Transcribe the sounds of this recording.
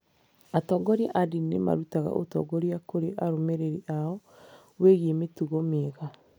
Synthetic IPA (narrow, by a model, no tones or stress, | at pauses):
atɔːɡɔɾia̰ʔadinema̰ɾutaɣa̰ʔo̰tɔ̰ɡɔɾiakoɾeʔaɾomeɾeɾiʔaɔ | weɣiemetuɣɔmeɣa